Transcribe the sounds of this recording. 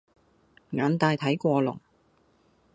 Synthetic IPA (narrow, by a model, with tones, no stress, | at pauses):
ŋaː˨˥nt̪aː˧jt̪ʰɐ˨˥jkʷɔː˧lʊ̰˨˩ŋ